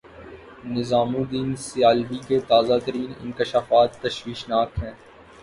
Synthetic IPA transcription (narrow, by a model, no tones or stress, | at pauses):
nɪzaːmũd̪iːnsɪjaːlbiket̪aːzat̪əɾiːnɪ̰̃nkɪʃaːfaːt̪ːɐʃʋiːʃnaːkɦɛ̃ː